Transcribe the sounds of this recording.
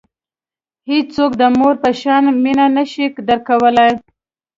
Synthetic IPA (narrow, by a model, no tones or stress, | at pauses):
hid͡ʒt͡sokd̪əmoɾpəʃɑnminanaʃikd̪əɾkawəlaj